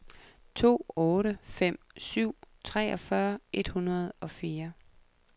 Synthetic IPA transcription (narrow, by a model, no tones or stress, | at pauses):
t͡sʰo̝̰ːɔ̽ːɾəfem̰syʊ̰t͡sʰʁɛ̰ːɒ̽fɶɐʔe̝d̥hunɐð̞̩ˠɒ̽fiːɐ